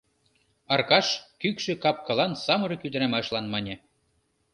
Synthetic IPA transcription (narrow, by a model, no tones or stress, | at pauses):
ɑrkɑʃkykʃĕkɑp̚kɑ̆lɑnsɑmɤ̆ɾɤ̆kyd̪ɘ̆ɾæmɑʃlɑnmɑnʲĕ